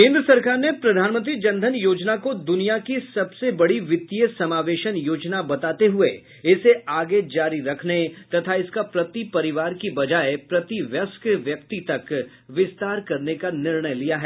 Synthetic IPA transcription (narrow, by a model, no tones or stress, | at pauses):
kẽːnd̪ɾəsɐɾkaːɾnepɾɐd̪ʱaːnmə̃nt̪̬ɾid͡ʒɐ̃nd̪ʱənjoːd͡ʒnakod̪ʊnijakisɐbsebɐɽiʋɪt̪ːijəsɐmaːʋeːʃənjoːd͡ʒnabɐt̪aːt̪eɦʊe | ɪseaːɡed͡ʒaːɾiɾɐkʰnet̪ɐt̪ʰaɪskapɾɐt̪ipɐɾɪʋaːɾkibɐd͡ʒaːepɾɐt̪iʋjɐskʋjɐkt̪it̪ɐk | ʋɪst̪aːɾkɐɾnekanɪɾɳəjlijaɦɛː